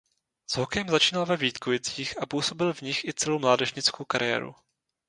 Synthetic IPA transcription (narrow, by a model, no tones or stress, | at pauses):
z̥ɦokɛjɛmzat͡ʃiːnalvɛviːt̪kojɪt͡siːxapuːso̞bɪlvɲɪxʔɪt͡sɛlowmlaːdɛʒɲɪt͡skowkaɾʔɪjɛ̰ːɾṵ